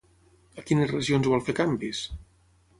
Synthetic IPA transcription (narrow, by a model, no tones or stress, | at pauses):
əkinəzrəʒionzβɔlˠfekambis